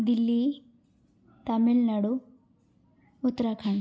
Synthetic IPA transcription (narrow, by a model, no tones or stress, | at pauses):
d̪ilːi | t̪ɐmilnɐɽu | ut̪ːɐɾakʰaɳ